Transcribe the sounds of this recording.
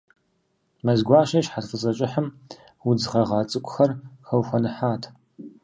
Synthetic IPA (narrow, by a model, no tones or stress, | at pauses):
mɐzɡʷɑːʃɐʃħatfʼət͡sʼɐt͡ʃʼɪħəm | wʊd͡zʁɐʁɑːt͡sʼɨkʷʼʊxɐrxɐwxʷɐnɨħaːtʰ